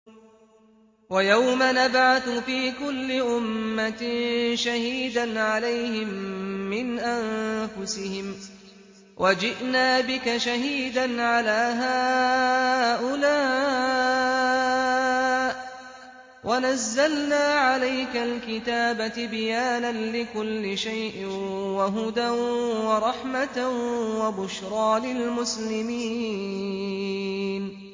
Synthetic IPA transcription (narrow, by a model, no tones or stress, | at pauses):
wajawmanabʕaθʊfiːkʊlːɪʔʊmːaʃahiːd̪anʕalajhɪmːɪnʔanfʊsɪhɪm | wʔad͡ʒɪʔnaːbɪkaʃaɦiːd̪anʕalaːɦaː | ʔʊlaː | wʔanazːalnaːʕalajkalkɪt̪aːbat̪ɪbɪjaːnanlɪkʊlːɪʃajʔɪwaɦʊd̪awɑɾˤɑħmat̪awabʊʃɾˤɑːlɪlmʊslɪmiː | n